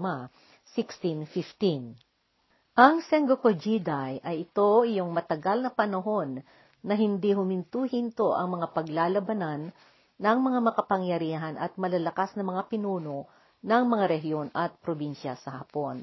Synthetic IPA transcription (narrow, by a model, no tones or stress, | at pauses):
ma | sikst̪infɪft̪in | ʔɐŋsɛŋɡokod͡ʒid̪ajʔɐjɪt̪o̞ʔɪjoŋmɐt̪ɐɡalnɐpɐnɐɦo̞nː | ɐɦɪnd̪iɦʊmɪnt̪uːhɪnt̪o̞ʔɐŋmɐŋapɐɡlaːlɐbɐnanː | ɐŋmɐŋamɐkɐpɐŋjɐɾiːɦɐnʔɐt̪̚mɐlɐlɐkasnɐmɐŋapɪnuːno̞ | nɐŋmɐŋaɾɛɦjo̞nɐt̪̚pɾobinʃɐsɐhɐpo̞n